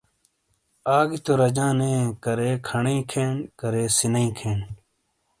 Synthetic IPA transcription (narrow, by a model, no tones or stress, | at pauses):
aːɡit̪oɾɐd͡ʑãːnẽːkɐɾeːkʰɐɳeːkʰeːɳkɐɾeːsinɐĩːkʰeːɳ